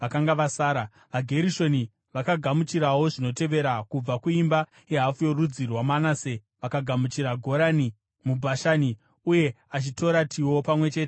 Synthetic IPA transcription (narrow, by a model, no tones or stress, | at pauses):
ʋakaŋɡaʋasaːɾa | ʋaɡʱe̞ɾiʃo̞ni | ʋakaɡʱamut͡ʃiɾawo̞ʐino̞te̞ʋe̞ɾakub͡vakuimba | eɦafujo̞rud͡zirwamanase | ʋakaɡʱamut͡ʃiɾaɡʱo̞ɾani | mubʱaʃani | uje̞ | at͡ʃito̞ɾatʰiwo̞pamwe̞t͡ʃe̞ːte